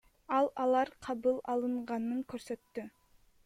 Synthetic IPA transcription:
ɑlˠɑlˠɑɾqʰɑβɯlˠɑlˠɯɴʁɑnɯŋkøɾsø̞t̪ːy

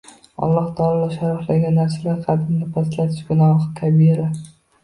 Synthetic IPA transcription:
ɒ̰lˠːɒht̪ʰɒlˠalaʃaɾɒflaɡʲanːaɾsalaɾqʰɑd̪ɪmnɪpʰaslat̪ʰɪʃɡʊnɒʁɨk̪ʲʰabieɾa

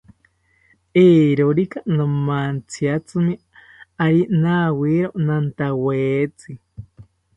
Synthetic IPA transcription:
eːɾoɾikanamant͡sʰiat͡sɨmi | aɾinawiɾonant̪aweːt͡si

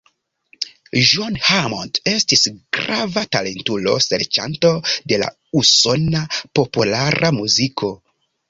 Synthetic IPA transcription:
ʒonhamonte̞stisɡ̥ɾavatale̞ntulo̞̰se̞̰ɾt͡ʃa̰nto̞de̞la̰ | uso̞napo̞pulaɾʔamuzikʰo̞

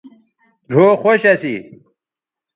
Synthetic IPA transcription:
ɖʱoːxoɕɐsi

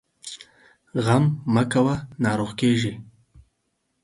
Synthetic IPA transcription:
ɣamːakawanɑːɾoʁkeʒi

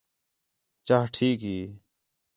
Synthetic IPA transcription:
t͡ʃaːɦʈʰiːkɦiː

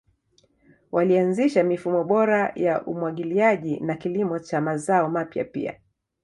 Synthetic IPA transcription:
wʔalianziʃamifumɔɓɔɾajaʔumwaɠiliaʄinakilimɔt͡ʃamazaɔmapja̰pḭa̰

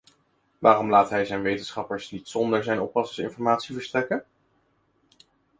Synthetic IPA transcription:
ʋaːrɔmlaːtɦɛjzɛjnʋejtənsχɑpəɹsnitsɔndəɹzɛjnɔpɑsɪŋsɪ̰nfɔɹmaːtsivəɹstrɛkən

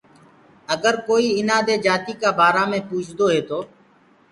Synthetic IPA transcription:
əɡəɾkoːiːɪnaːd̪eːd͡ʒaːt̪iːkaːbaːɾaːmẽːpuːt͡ʃʰd̪oːɦeːt̪oː

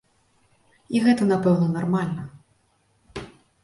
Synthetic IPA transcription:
iɣɛt̪ɐnapɛwnɐnarmalʲnɐ

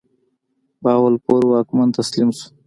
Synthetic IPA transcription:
bɑːwalpoɾwaːkmant̪aslimsu̥

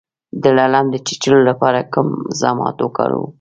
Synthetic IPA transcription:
d̪əlaland̪ət͡ʃi̥t͡ʃəlolapɑɾakəmzɑmɑ̰t̪wəkɑ̰ɾṵ

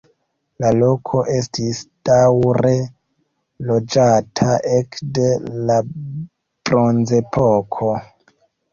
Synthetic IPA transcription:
lalo̞kʰo̞ʔe̞stisd̥awɾe̞ | lo̞d͡ʒatʰaʔekde̞la | b̥ɾo̞nze̞pʰokʰo̞

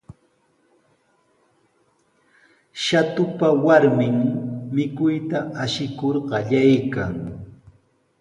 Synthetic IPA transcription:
ʃat̪ʊpawaɾmɪŋmɪkʊjt̪aaʃɪkoɾɢɑʎajkaŋ

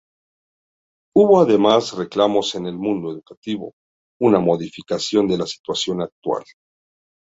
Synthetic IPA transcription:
uβo̞aðe̞masreklamo̞se̞ne̞lmũnd̪oeðukat̪iβo̞̰ | unamo̞ðifikasjo̞nd̪e̞lasi̥t̪wasjo̞nak̚t̪wa̰l

